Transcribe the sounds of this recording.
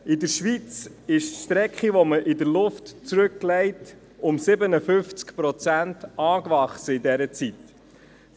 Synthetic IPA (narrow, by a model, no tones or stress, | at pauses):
ɪdəɾʃʋit͡sɪʃʃtɾɛkχiʋɔməʔɪdəɾlʊftt͡sɾɵkːlɛɪt | ʊmsɪbənəfʏft͡skpɾɔt͡sæntɑːkʋɑχsəɪdɛɾət͡sit